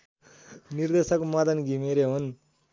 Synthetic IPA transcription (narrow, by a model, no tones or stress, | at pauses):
niɾd̪esakmad̪ɐnɡimeɾeɦun